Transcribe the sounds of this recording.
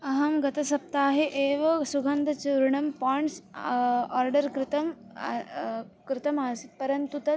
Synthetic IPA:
ɐɦɐmɡɐt̪ɐsɐp̚t̪aːɦeʔeːʋɐsuɡʱɐnd̪ʱɐt͡ɕiɾɳɐmpɔɳʈs | ɔːɾɖəɾkɾɪt̪ɐm | kɾɪt̪ɐmasit̪pɐɾɐnt̪ut̪ɐ

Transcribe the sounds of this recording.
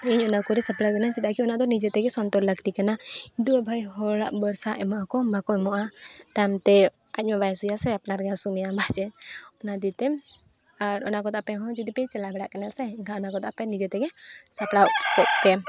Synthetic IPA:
ɛɲɔnakɔɾisaplawkɛnat͡ʃit̪aʔkiɔnaʔd̪ɔnid͡ʒɛt̪ɛɡɛsɔnt̪ɔɾləkt̪ikanadubʱajɦɔlaʔbəɾsaʔɛmɔʔakɔmakɔɛmɔʔaʈ̪amt̪ɛ | ac̚ˀmabajsujasɛapnaɾɡasumijabʱad͡ʒɛnɔnad̪it̪ɛ | aɾɔnakɔt̪apɛɦɔ̃d͡ʒud̪ipɛt͡ʃɛlabɛɽaʔkanasɛkaɔnakɔt̪apɛnid͡ʒɛt̪ɛɡɛsapɽawkɔʔ̚kɛ

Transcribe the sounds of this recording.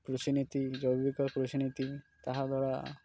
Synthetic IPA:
pɾot̪init̪id͡ʒɔbibikaɾpɾot̪init̪i | t̪aɦad̪ʱɔɽa

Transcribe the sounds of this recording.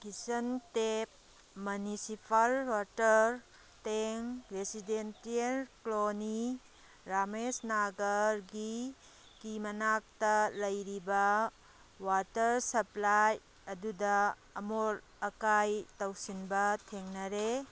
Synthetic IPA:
kisɐntep̚ | munisipʰalwatɐɾ | teŋɾesidentielkloni | ɾamesnaɡɐɾɡi | kimɐnak̚tɐlɐjɾibɐ | watɐɾsɐplaj | ɐdudɐː | mol | ɐkajtɐwsinbɐtʰeŋnɐɾe

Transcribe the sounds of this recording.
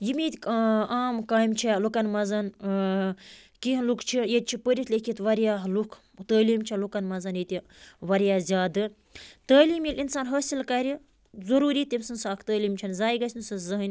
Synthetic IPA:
jimit̪ʲaːmkaːjmt͡ʃʰilukɐnmɐzɐn | kiɦlukʰt͡ʃʰijet̪̚t͡ʃʰipəɾʲit̪lʲekʰit̪ʋɐɾjaːɦlukʰ | t̪əːliːmt͡ʃʰilukɐnmɐzɐnjit̪ʲi | ʋɐɾjaːzʲjaːd̪ɨ | t̪əːliːmjilʲinsaːnɦɐsilkɐɾʲi | zɐɾuːɾiːt̪imʲsɨnsaːkʰt̪əːliːmt͡ʃʰɐnzaːjɡɐsʲnusɨzɐɦɨnʲ

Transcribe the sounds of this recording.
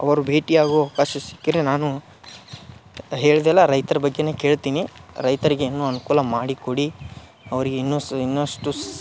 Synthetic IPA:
ɐ̰ʋɐɾubʱe̞ːʈiaːɡuaʋkaːʃɐsi̥kːiɾenaːnu | ɦe̞ːɭd̪ɛlːɐɾɐjt̪ɐɾɐbɐɡːe̞neːke̞ːɭt̪iːniɾɐjt̪ɐɾiɡeinːuːɐnukuːlɐmaːɽikoɽi | ɐʋɐɾiɡeinːuinːʂʈu

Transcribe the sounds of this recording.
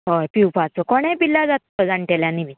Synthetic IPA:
ɦojpiwpat͡sɔkɔɽ̃ajpilːad͡zat̪ːɔd͡zaɳʈeljanimi

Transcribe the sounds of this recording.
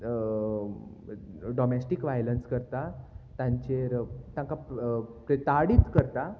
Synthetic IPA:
ɖɔmesʈikʋajlənskəɾt̪at̪ãɲt͡ɕeɾt̪ãŋkapɾet̪aɽiːt̪kəɾt̪a

